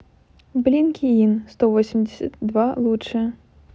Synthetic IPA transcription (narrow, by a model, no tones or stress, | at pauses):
blʲinkʲʰiinst̪ɔvɔsʲɪmʲdʲɪsʲɐt̪̚d̪valˠuʂɨ